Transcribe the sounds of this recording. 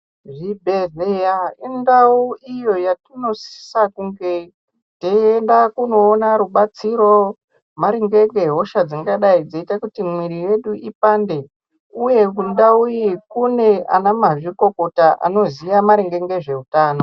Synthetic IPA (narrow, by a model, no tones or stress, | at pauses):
ʐibʱe̞ɮejaindauijo̞jatino̞si̥si̥sakuŋɡe̞ | teendakuno̞ːnaɾuɓat͡siɾo̞ | maɾiŋɡe̞ŋɡe̞ɦoʃad͡ziŋɡaɗaid͡zaitakutimwiɾije̞ɗuipande̞ | uje̞kundaujikune̞a̰namaʐiko̞ko̞taʔa̰no̞zijamaɾiŋɡe̞ŋɡe̞ʐe̞utaːno̞